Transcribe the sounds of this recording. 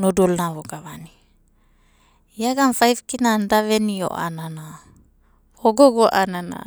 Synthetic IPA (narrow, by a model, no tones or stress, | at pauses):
nodolnavoɡavani | iaɡamfajvkinandavenio̰ʔa̰nana | oɡoɡoʔanana̰